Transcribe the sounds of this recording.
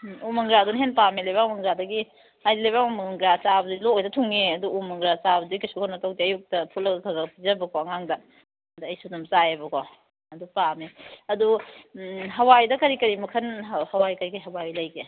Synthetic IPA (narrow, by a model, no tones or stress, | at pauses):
umɐŋɡɾadunɦenpamelajbaŋmɐŋɡɾadɐɡi | ajdilajbaŋumɐŋɡɾat͡ʃabɐduloojdɐtʰuŋeɐduumɐŋɡɾat͡ʃabɐdukisukʰonɐtowtiɐjuk̚tɐpʰut̚lɐɡɐkʰɐɡɐpizɐbɐkoɐŋaŋdɐ | ɐduɐjsunɐmt͡ʃajebɐko | ɐdupameɐdu | ɦɐwajdɐkɐɾikɐɾimɐkʰɐnhɐwajkɐɾikɐiɦɐwajlɐjɡe